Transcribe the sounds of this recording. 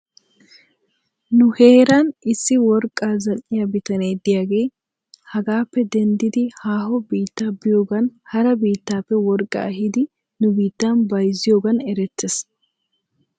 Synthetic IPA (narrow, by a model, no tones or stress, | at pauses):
nʊhe̞ːɾɐnɪsːɪwɔɾkʼːaːzɐlːɪjɐbɪt̪ɐneːd̪ɪjaːɡe̞ː | hɐɡaːpːɛd̪ɛnd̪ɪd̪ɪhaːhɔbiːt̪ːaːbɪjo̞ːɡɐnhɐɾɐbiːt̪ːaːpːɛwɔɾkʼːɐ̰ɐhɪd̪ɪ | nʊbiːt̪ːaːnbɐjzɪjo̞ːɡɐnɛɾɛt̪ːes